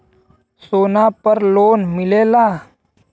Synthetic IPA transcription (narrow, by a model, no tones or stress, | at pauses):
soːnapəɾloːnmɪleːlaː